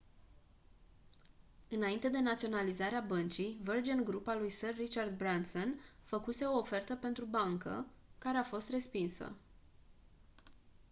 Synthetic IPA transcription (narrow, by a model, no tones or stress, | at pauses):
ɨnaint̪e̞d̪e̞nat̪sio̞nalizaɾeabənt͡ʃijvərd͡ʒenɡɾupalujsərːit͡ʃard̪̚bɾant̪sonfəkuse̞o̞ːfe̞rt̪əpe̞nt̪ɾubaŋkə̰ | kaɾe̞afo̞st̪re̞spinsə̰